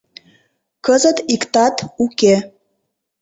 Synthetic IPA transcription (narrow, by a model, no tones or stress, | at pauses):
kəzət̪ikt̪ɑt̪uke